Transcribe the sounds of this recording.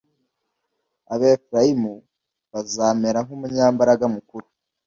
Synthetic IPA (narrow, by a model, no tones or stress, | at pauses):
aβeːfɾaimu | βazaːmeɾaŋumuɲaːmbaɾaɡamukuɾu